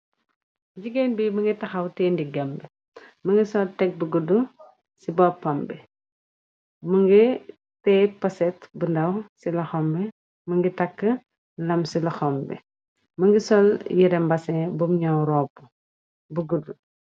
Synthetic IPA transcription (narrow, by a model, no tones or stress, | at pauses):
d͡ʒiɡenbimɐŋɡitɐxɐwtɛndiɡɐmbɛ | mɐŋɡisɔltɛk̚buɡudu | sibɔpːɐmbɛ | məŋɡi | tɛpɐsɛtbundɐwsilɐxɔmbɛ | mɐŋɡitɐkːə | lɐmsilɐxɔmbɛ̰ | mɐŋɡisɔljiɾɛmbɐsɛbumɲɐwɾɔːpːu | buɡudu